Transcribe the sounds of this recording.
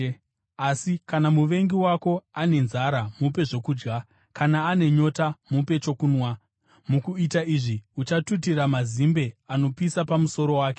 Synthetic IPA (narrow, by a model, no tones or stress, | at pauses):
asikanamuʋe̞ŋɡiwako̞ane̞nzaɾamupe̞ʐo̞kuːd͡ʒɡa | kanaːne̞ɲo̞tamupe̞t͡ʃo̞kuːnwa | mukuitaiʐiut͡ʃatutiɾamazimbe̞ano̞pisapamuso̞ɾo̞waːke